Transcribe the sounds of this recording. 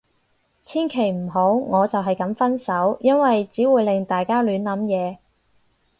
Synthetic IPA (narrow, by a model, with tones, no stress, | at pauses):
t͡sʰiː˥nkʰe˨˩jm̩˨˩ɦo˨˥wŋɔː˨˧t͡sɐ˨wɦɐ˨jkɐ˨˥mfɐ˥nsɐ˨˥wjɐ˥nwɐ˨jt͡siː˨˥wuː˨˧jlɪ˨˩ŋt̪aː˨jkaː˥lyː˨˥nlɐ˨˥mjɛː˨˧